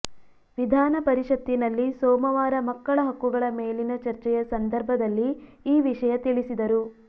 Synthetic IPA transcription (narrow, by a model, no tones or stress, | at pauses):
ʋid̪ʱaːnɐpɐɾiʂɐt̪ːinɐlːisɔːmɐʋaːɾɐmɐkːɐɭɐɦɐkːuɡɐɭɐmeːlinɐt͡ʃɐɾt͡ʃɛjɐsɐnd̪ʱɐɾbʱɐd̪ɐlːiːʋiʂɐjɐt̪iɭisid̪ɐɾu